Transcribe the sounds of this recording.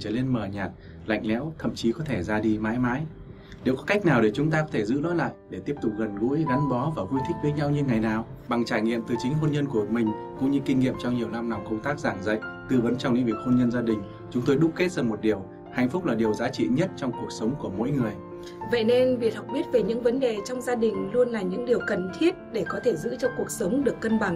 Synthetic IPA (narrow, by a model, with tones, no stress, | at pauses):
t͡ɕəː˧˩le˧nməː˨˩ɲaː˨˩t̚ | la̰˧˨jŋ̟lɛ̰˧˥wt̪ʰə̰˧˨mt͡ɕi˨˦kɔ˨˦t̪ʰe˧˩zaː˧ɗi˧maː˨˦jmaː˨˦j | ne˨˩wkɔ˨˦ka˦˥jk̟̚naː˨˩wɗe˧˩t͡ɕʊ˨˦ŋ͡mt̪aː˧kɔ˨˦t̪ʰe˧˩zɨ̰˧˥ɗɔ̰˨˦la̰ː˧˨jɗe˧˩t̪i˦˥əp̚t̪ʊ˨˩k͡p̚ɣə˨˩nɣṵ˧˥jɣa˨˦nɓɔ˨˦vaː˨˩ɣu˧jt̪ʰï˦˥k̟̚və˨˦jɲa˧wɲɨ˧ŋa˨˩jnaː˨˩wɓa˨˩ŋt͡ɕaː˧˩jŋḭ˧˨əmt̪ɨ˨˩t͡ɕï˨˦ŋɦo˧nɲə˧nku˧˩əmï˨˩ŋ̟kʊ̰˧˥ŋ͡mɲɨ˧kï˧ŋ̟ŋḭ˧˨əmt͡ɕɔ˧wŋ͡mɲi˨˩əwna˧mna˨˩ŋ͡mkə˧wŋ͡mt̪aː˦˥k̚zaː˧˩ŋzə̰˧˨jt̪ɨ˨˩və˨˦nt͡ɕɔ˧ŋ͡mɲḭ˧˥ŋvi˨˩ət̚ho˧nɲə˧nzaː˧ɗï˨˩ŋ̟ | t͡ɕʊ˨˦ŋ͡mt̪o˧jɗʊ˦˥k͡p̚ke˦˥t̚zaː˨˩mo˨˩t̚ɗi˨˩əw | ha̰˧˨ŋ̟fʊ˦˥k͡p̚laː˨˩ɗi˨˩əwzaː˨˦t͡ɕḭ˧˨ɲə˦˥t̚t͡ɕɔ˧wŋ͡mku˨˩ək̚sə˨˦wŋ͡mku˧˩əmo̰˧˥jŋɨ˨˩əj | və̰˧˨jne˧nvi˨˩ət̚ha˨˩wk͡p̚ɓi˦˥ət̚ve˨˩ɲɨ̰˧˥ŋvə˨˦nɗe˨˩t͡ɕɔ˧wŋ͡mzaː˧ɗï˨˩ŋ̟lu˧ənlaː˨˩ɲɨ̰˧˥ŋɗi˨˩əwkə˨˩nt̪ʰi˦˥ət̚ɗe˧˩kɔ˨˦t̪ʰe˧˩zɨ̰˧˥t͡ɕɔ˧ŋ͡mku˨˩ək̚sə˨˦wŋ͡mɗɨ˨˩əkːə˧nɓa˨˩ŋ